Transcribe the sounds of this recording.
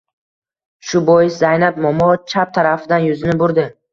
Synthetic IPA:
ʃʊbɔjɪszajnatmɒmɒt͡ʃʰap̚t̪ʰaɾafɪd̪anjʊzɪnɪbʊɾd̪ɪ

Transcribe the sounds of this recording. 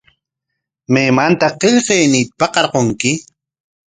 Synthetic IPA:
meːmant̪aqeʎqeːniːt̪ḁpɑqɑɾqoŋkɪ

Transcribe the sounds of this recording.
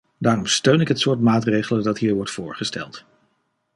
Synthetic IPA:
daːrɔmstøɥnɪkɦətsʊːɹtmaːtrejχələdɑtɦiːɹʋɔɹtfʊːɹχəstɛ̰lˠt

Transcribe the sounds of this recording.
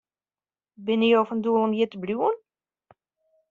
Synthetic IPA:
bɪnijoːfənduəlˠɔmjɪtəbljuən

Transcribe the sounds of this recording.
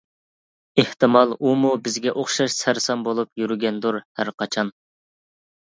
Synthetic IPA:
eht̪ɨmɑlˠumubɪzɡʲɛʔoχʃɑʃsæɾsɑmbolˠupjyɾɡʲɛnd̪uɾhæɾqʰɑt͡ʃʰɑn

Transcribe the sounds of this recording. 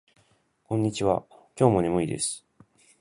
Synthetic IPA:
kõ̞ɲ̟ːit͡ɕiβa̰kʲo̞ːmo̞nʲemɯ̟id̪e̞̰sɨ̥

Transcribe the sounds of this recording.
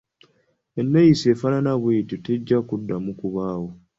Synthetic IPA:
enːejisefananaβweːtuteɟːakudːamukuβaːwo

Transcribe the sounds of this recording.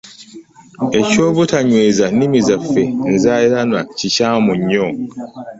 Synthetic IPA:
e̞coːβutaɲweːzanimizafːen̩zaːiɾanwacicaːmuɲːoː

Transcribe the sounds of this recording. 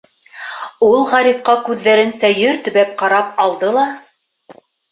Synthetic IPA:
ulˠʁɑɾifqɑkʉðːæɾɘnsæjɘɾt̪ɵ̆βæp̚qɑɾɑpɑlˠd̪ɤlˠɑ

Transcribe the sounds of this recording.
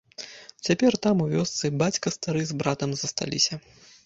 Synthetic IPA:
t͡sʲapʲɛrt̪amuvʲɔst̪sɨbat͡sʲkɐst̪aɾɨzbɾat̪ɐmzɐst̪a̰lʲḭsʲɐ

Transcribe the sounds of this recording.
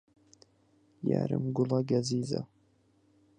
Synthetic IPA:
ja̰ːɾɪ̰mɡʊlaɡaziːza̰

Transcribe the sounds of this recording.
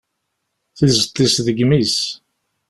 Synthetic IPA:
θizət̪ˤːisðəɡmis

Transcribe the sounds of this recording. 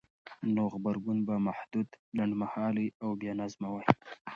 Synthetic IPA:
noɣbaɾɡunbamahd̪ud̪laɳɖmahɑliawbjɑnazmawaj

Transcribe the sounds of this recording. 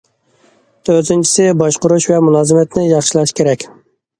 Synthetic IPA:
t̪ʰøɾt̪ʰɪnt͡ʃʰi̥sɪbɑʃqʊɾuʃvɛmulˠɑːzɨmɛt̪nɪjɑχʃilˠɑʃkʲʰeɾɛkʲ

